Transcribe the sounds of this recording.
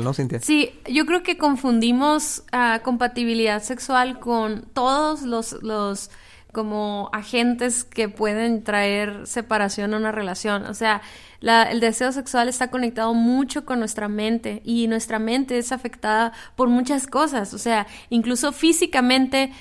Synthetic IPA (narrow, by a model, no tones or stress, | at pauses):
nosint̪esiɟ͡ʝo̞kɾe̞oke̞ko̞ɱfund̪imo̞sako̞mpat̪iβ̞iliðaðse̞kswalkont̪o̞ðozlo̞slos | ko̞moaxe̞nt̪e̞ske̞pwe̞ð̞e̞nt̪ɾae̞ɾse̞paɾasjo̞naunare̞lasjo̞no̰se̞a | laḛld̪e̞se̞o̞s̬e̞kswale̞st̪ako̞ne̞k̚t̪aðo̞mut͡ʃo̞ko̞nːwe̞st̪ɾamẽ̞nt̪e̞ʔinwe̞st̪ɾamẽ̞nt̪e̞esafe̞kt̪aðapo̞ɾmut͡ʃasko̞saso̞se̞a | iŋkluso̞fisikamẽ̞nt̪e̞